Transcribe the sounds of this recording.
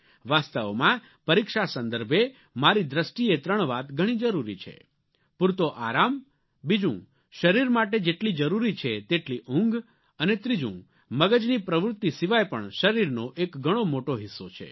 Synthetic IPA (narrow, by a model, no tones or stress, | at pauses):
ʋast̪əʋmã | pəɾikʃasə̃nd̪əɾbʱe | maɾid̪ɾəsʈiet̪ɾəɳ̃ʋat̪ɡʱəɽ̃id͡ʒəɾuɾḭt͡ʃʰḛ | pʊɾt̪oʔaɾam | bid͡ʒṵ̃ | ʃəɾiɾmaʈ̬ed͡ʒeʈlid͡ʒəɾuɾit͡ʃʰet̪eʈliʔʊ̃ŋɡ | ənet̪ɾid͡ʒṵ̃ | məɡəd͡ʒnipɾəʋɾʊt̪ːisiʋajpəɳʃəɾiɾnoʔekɡʱəɽ̃omoʈoɦɪsːot͡ʃʰḛ